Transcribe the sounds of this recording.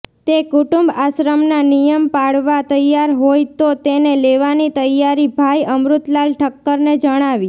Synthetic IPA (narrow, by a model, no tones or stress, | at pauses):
t̪ekuʈumbaʃɾəmnanijəmpaɭʋat̪əjaɾɦojt̪ot̪eneleʋanit̪əjaɾibʱajəmɾut̪lalʈʰəkːəɾned͡ʒəɽ̃aʋi